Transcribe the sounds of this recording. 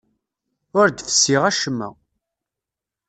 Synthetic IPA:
ʊɾd̪fə̥sːiʁæʃəmːæ̰

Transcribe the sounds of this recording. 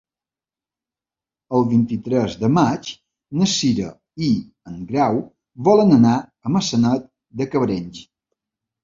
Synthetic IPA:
əlˠβint̪it̪ɾɛzðəmat͡ʃ | nəsiɾə̰ | i | əŋɡɾaw | βɔlənənaəməsənat̪̚ | d̪əkəβɾɛnʲs

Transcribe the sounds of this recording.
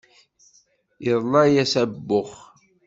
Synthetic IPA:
jəðˤlˤɑjæsæbːʊχ

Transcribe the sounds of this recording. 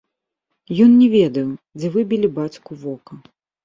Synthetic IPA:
jɔnnʲɛvʲɛd̪ɐjwd͡zʲɛvɨbʲilʲibat͡sʲkuvɔkɐ

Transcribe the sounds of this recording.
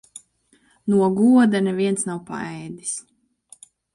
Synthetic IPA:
nuɔɡuɔd̪anɛviɛnsnawpa̰ɛjd̪i̥s

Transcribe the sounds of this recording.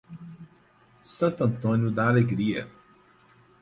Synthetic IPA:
sãnt̪ɐ̃nt̪ɔnʲjud̪aleɡɾiɛ̰

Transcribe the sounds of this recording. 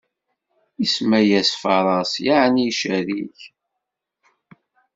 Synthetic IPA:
ismæjæsfɑɾˤɑsjaʕniʃæɾiç

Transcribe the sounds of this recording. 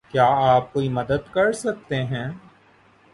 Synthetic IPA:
kjaːaːp̚koːimɐd̪əd̪kɐɾsɐk̚t̪eɦɛ̃ː

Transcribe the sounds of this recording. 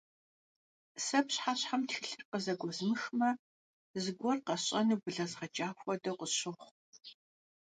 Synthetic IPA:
sɐpɕħaɕħamtxɨɬɨrqəzɐɡʷɔzmɨxmɐ | zɨɡʷɔrqɐɕʼɐnɨbɨɮɐzʁɐt͡ʃʼaːxʷɔdɐqʷʊɕɨχʷ

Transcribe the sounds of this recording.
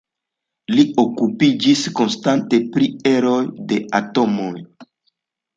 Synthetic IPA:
lio̞kupid͡ʒisko̞nstante̞pɾie̞ɾo̞jde̞ato̞mo̞j

